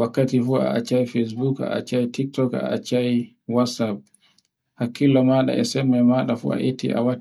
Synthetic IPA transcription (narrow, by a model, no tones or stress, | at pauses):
wakːatifua̰a̰t͡ʃajfes̬buka̰a̰t͡ʃajtik̚tɔka̰a̰t͡ʃaji | wasap̚ | hakːilɔmaɗa̰ʔɛsɛmɛmaɗafṵa̰ʔetʰːḭʔa̰wa